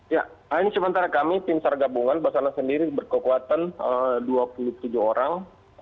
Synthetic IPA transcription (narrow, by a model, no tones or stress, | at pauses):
ja | ainisəmənt̪aɾakamip̪imsarɡabuŋanbasanasəndiɾibərkəkuat̪anəduapuluht̪ud͡ʒuoɾaŋ